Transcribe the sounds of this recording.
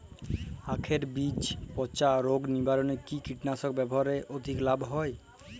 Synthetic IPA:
akʰeɾbit͡ɕpɔt͡ɕaɾoɡnibaɾonekikiʈnasok̚bɛboɦaɾeʔod̪ʱiklabɦɔe

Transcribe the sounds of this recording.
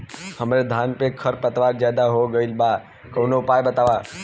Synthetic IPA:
həmɾed̪ʱaːnpẽkʰəɾpət̪ʋaːɾd͡ʒjaːd̪aɦoɡəilba | kəʊnoʊpaːjbət̪aːʋa

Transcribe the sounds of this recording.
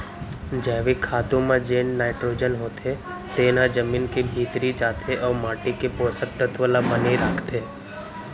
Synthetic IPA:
d͡ʒɛːʋikʰaːt̪õmẽd͡ʒeːnːaːɪʈɾoːd͡ʒənɦoːt̪ʰe | t̪eːnãd͡ʒəmiːnkibʱiːt̪ɾit͡ʃaːt̪ʰeʔɔːɾmaːʈikepoːsət̪ːət̪ʋəlabəniɾaːkʰt̪eː

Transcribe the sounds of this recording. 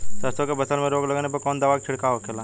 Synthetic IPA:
sɐɾsõkebɐsəlmẽɾoːɡlɐɡanepɐɾkɔːnd̪əʋaːkt͡ʃʰɪɽkaɦokʰelaː

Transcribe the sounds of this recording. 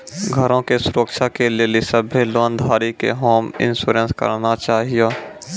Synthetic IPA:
ɡʱəɾõkesʊɾəkʃakeleːlisəbʱeloːnd̪ʱaːɾikḛɦoːmɪ̰̃nsuːɾə̃nskə̰ɾnat͡ʃaːɦijoː

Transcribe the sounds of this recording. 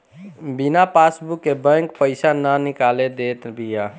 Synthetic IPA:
binapasbukːebɛ̃ŋkpəɪsananikaled̪et̪bija

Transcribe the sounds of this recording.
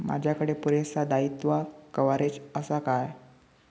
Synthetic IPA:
ma̰d͡ʑʱjakəɽepuɾesad̪ait̪ʋakəʋaɾet͡səsakaj

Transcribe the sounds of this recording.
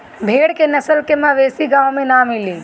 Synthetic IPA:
bʱeːɽkenəsəlkemãʋeːsiɡãːwmẽnamɪliː

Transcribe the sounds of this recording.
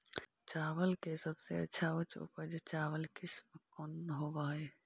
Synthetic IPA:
t͡ʃaːʋəlkesəbseɐ̰tːʃʰaot͡ʃʰo̰pəd͡ʒet͡ʃaːʋəlkɪsməkɔnːɦobaːe

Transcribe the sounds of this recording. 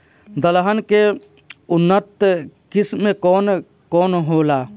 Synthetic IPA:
d̪əlɦənke | ʊnːət̪kɪsmːẽkɔːn | kɔːnɦoːlaː

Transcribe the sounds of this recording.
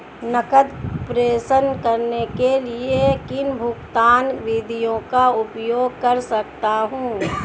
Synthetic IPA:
nəkəd̪pɾeːsənkəɾnekeliekɪnbʱʊkt̪aːnʋɪd̪ʱijõkaʊpjoːɡ̚kəɾsək̚t̪aɦũː

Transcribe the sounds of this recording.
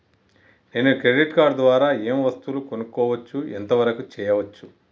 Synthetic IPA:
ne̞ːnukɾe̞ɖiʈkaːɾɖd̪ʋaːɾaːeːmʋɐst̪uluko̞nukːɔːʋɐt͡ʃːuent̪ɐʋɐɾɐkut͡ʃɛːjɐʋɐt͡ʃːu

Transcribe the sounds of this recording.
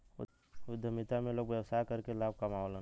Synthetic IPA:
ʊd̪ʱəmit̪amẽloːɡʋjəwsakəɾkelaːb̚kamaolə

